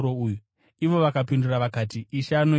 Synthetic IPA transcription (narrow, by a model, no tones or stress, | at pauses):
ɾouːju | iʋo̞ʋakapinduraʋakaːt̬iːʃano